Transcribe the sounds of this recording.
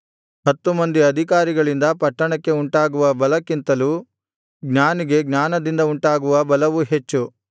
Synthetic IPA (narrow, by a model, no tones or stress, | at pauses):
ɦɐt̪ːumɐnd̪iɐd̪ʱik̬aːɾiɡɐɭind̪ɐpɐʈːɐɳɐkːe̞uɳʈaːɡuʋɐbɐlɐkːint̪ɐlu | ɡnaːniɡe̞ɡnaːnɐd̪ind̪ɐuɳʈaːɡuʋɐbɐlɐʋuɦe̞t͡ʃːu